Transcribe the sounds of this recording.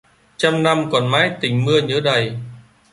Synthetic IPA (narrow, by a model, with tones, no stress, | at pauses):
t͡ɕa˧mna˧mkɔ˨˩nmaː˨˦jt̪ï˨˩ŋ̟mɨ˧əɲɨː˧˨˦ɗə˨˩j